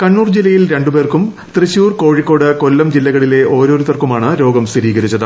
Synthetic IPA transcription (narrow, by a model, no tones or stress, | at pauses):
kɐɳːuːrd͡ʑilːɐjilɾe̞ɳɖube̞ːrkum | t̪riɕjuːrko̞ːɻikːo̞ːɽɨkolːɐmd͡ʑilːɐɣɐɭile̞ʔo̞ːɾo̞ːɾut̪ːɐrkumaːɳɨɾo̞ːɡɐmsiɾiːɣɐɾit͡ɕːɐðɨ